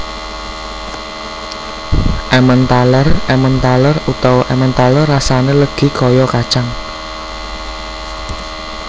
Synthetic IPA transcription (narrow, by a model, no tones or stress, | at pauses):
ʔɛmənt̪alərɛmənt̪alərut̪awɔʔɛmənt̪alərːasaneləɡ̥i̤kɔjɔkad̥t͡ʃaŋ